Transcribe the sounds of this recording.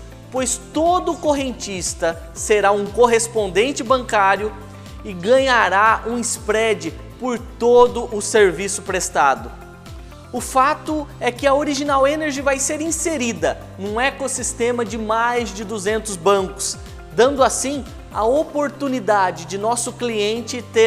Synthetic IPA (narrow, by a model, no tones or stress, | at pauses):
pojst̪od̪ʊkoɦẽnt͡ʃist̪ɐ | seɾaũkoɦespõnd̪ẽnt͡ʃɪbɐ̃ŋkaɾjʊ | ɪɡɐ̃ɲaɾaũɪspɾɛd͡ʒɪ | poɾt̪od̪ʊʔʊseɾvisʊpɾest̪ad̪ʊ | ʊfat̪ʊɛkɪɐoɾiʒinawẽneɾʒɪvajseɾĩseɾid̪ɐ | nũekosist̪ẽmɐd͡ʒɪmajzd͡ʒɪd̪uzẽnt̪ʊzbɐ̃ŋkʊ̥s | d̪ɐ̃nd̪ʊasĩ | ɐopoɾt̪unid̪ad͡ʒɪd͡ʒɪnɔsʊkliẽnt͡ʃɪt̪e